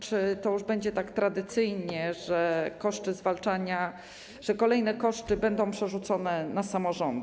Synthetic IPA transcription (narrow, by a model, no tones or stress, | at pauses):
t͡ʂɘt̪ɔjuʐbɛɲd͡ʑɛt̪akt̪ɾad̪ɘt̪sɘjɲɛʐɛkɔʂt͡ʂɘzvalt͡ʂaɲa | ʐ̥ɛkɔlɛjnɛkɔʂtɘbɛnd̪ɔ̃w̃pʂɛʐut̪sɔnɛnasamɔʐɔnd̪